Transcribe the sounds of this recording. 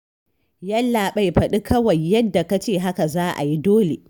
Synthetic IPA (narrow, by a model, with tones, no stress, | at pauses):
jɐ˦lːaː˨ɓa˦˨jɸɐ˨ɗi˦kɐ˦wɐ˨jːɐ˦dːa˨ka˦t͡ʃeː˦˨ɦa˦ka˨zaː˦ʔa̰˨ji˦doː˦lḛ˨